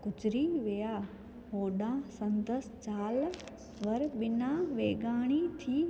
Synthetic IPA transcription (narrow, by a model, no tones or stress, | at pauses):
kʊt͡ʃɪɾiʋɪjaː | ɦoːɗãsɐ̃nd̪əsd͡ʑaːl | ʋɐɾɓɪnãːʋeːɡaːɽ̃it̪ʰiː